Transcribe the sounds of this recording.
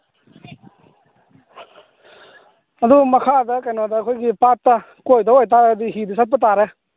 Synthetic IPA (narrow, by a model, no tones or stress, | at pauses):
ɐd̪umɐkʰad̪ɐkajnɔd̪ɐːkʰojɡipat̪ːa | kojd̪ɔojt̪̬aɾd̪iɦid̪isʰat̪̚pət̪̬aɾe